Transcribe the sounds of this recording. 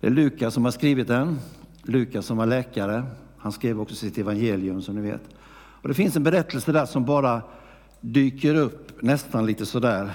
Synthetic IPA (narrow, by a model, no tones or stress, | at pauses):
d̪ɛ̰lʉ̟ːkasɔmhaʂkɾiːvɪt̪̚d̪ɛnlʉ̟ːkasɔmvaɭɛːkaɾə | hanskɾiːvəɾɔksɔsɪt̪ɛvanjeːlɪɵmsɔmnɪvḛːt̪ | ɔd̪ɛfɪnsɛnbɛɾɛt̪ʰːəlsəd̪æːʂɔmbɑːɾa | d̪yːkəɾɵpːnɛst̪anliːt̪əsɔd̪æːɾ